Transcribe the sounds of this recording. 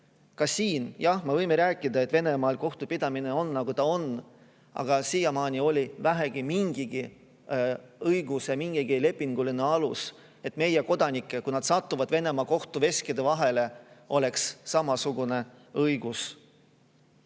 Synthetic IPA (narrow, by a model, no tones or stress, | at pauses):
kɑsiːnjɑhmevɤjmeɾæːkˑːid̪ɑet̪ve̞ne̞mɑːlko̞ht̪upid̪̥ɑmine̞o̞nːɑɡ̥ut̪ɑon | ʔɑ̰ɡ̥ɑsijɑmɑːnʲio̞lʲivæɦeɡ̥imiŋɡ̥iɡ̥i | ɤjɡusemiŋɡ̥iɡ̥ile̞pːˑiŋɡuline̞ɑlus | e̞t̪ːˑme̞jeko̞d̪̥ɑnikːˑe̞kunɑd̪̥sɑt̪ˑːuvɑd̪̥ve̞ne̞mɑko̞ht̪uve̞skid̪e̞vɑɦe̞le̞o̞le̞ksːɑmɑsuɡ̥une̞ | ɤjɡ̥us